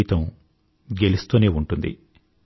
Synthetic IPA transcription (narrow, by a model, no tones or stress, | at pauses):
t̪ɐm | ɡe̞lust̪uːneːuɳʈund̪ḭ